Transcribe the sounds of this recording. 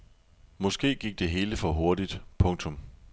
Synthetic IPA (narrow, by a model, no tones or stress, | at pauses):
mɒ̽sɡ̥e̝̰ːɡ̥iɡ̥̚d̥e̝ɦe̝ːləfɒ̽ɦo̝ɐd̥id̥pʰɔ̽ŋt͡sʰɔ̽m